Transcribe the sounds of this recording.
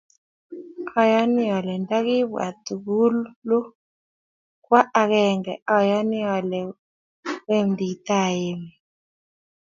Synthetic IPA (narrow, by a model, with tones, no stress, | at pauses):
ɔ˦jɔ˦ni˦ɔ˨lɛ˨nda˦ki˦βwa̰˨t̪u˨ɡu˦llu˦ | kwa˦a˨˧kɛ˨ŋɡɛ˨ɔ˦˨jɔ˦ni˦ɔ˨lɛ˨ | we˦m˨d̪i˨˦t̪a˦˨je˨mɛ˨